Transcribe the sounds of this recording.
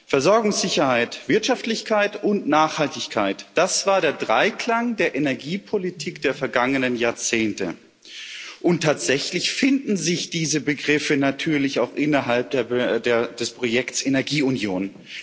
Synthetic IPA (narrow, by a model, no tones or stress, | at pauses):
fɛɐzɔɐɡʊŋsz̥ɪçɐhaɪtv̥ɪɐtʃaftlɪçkʰaɪtʊntnaːχhaltɪçkʰaɪtd̥asv̥aːɐɾeːɐdʁaɪkl̥aŋdeːɐʔenɛɐɡiːpʰolitʰiːkd̥eːɐfɛɐɡaŋənənjaːɐt͡seːntə̰ | ʔʊntʰːaːtz̥ɛçlɪçfɪndn̩zɪçd̥iːzəbəɡʁɪfənatʰyːɐlɪçaʊxʔɪnɐɦalp̚d̥eːɐdeːɐd̥ɛspʁ̥ojɛktsʔenɛɐɡiːʊnjoːn